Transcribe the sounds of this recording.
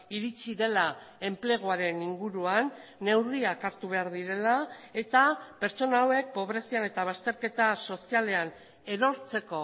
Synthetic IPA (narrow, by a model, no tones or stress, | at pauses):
iɾit͡siðe̞la | e̞mple̞ɣ̞oaɾe̞niŋɡuɾuanːe̞wriakaɾt̪uβe̞aɾðiɾe̞lae̞t̪ape̞ɾt͡ʃo̞nawe̞k̚po̞β̞ɾe̞siane̞t̪aβ̞ast̪e̞ɾke̞t̪aso̞siale̞an | e̞ɾo̞ɾt͡se̞ko̞